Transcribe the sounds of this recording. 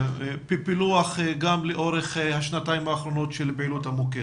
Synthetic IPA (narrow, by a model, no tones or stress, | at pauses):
pipiluaχɡamleʔo̞ʁeχhaʃnataimaːχɾo̞no̞tʃelbeiluthamoke